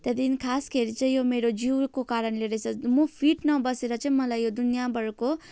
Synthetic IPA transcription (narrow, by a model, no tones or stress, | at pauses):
t̪ʌd̪inkʰaskeɾit͡sʌ̃ĩjomeɾod͡ziwkokaɾʌnleɾʌt͡sʰʌmupʰiʈnʌbʌseɾʌt͡sʌĩmʌlajjod̪unjabʌɾko